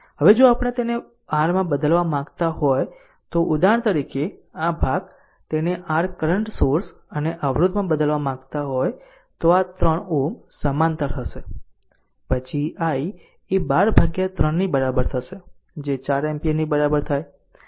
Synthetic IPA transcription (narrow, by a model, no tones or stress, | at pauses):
ɦəʋed͡ʒoapəɽ̃et̪ene | aɾmãbəd̪əlʋamãɡt̪aɦoj | t̪oʔud̪aɳ̃t̪əɾikeabʱaɡ | t̪eneʔaɾkəɾəɳʈsoɾs | əneʔəʋɾud̪ʱmãbəd̪əlʋamãɡt̪aɦoj | t̪oat̪ɾəɳumsəmant̪əɾt̪ʰəʃe | pət͡ʃʰiai | ebaɾbʱaɡjat̪ɾəɳːibəɾabəɾt̪ʰəʃe | d͡ʒet͡ʃaɾɛmpinibəɾabəɾt̪ʰaj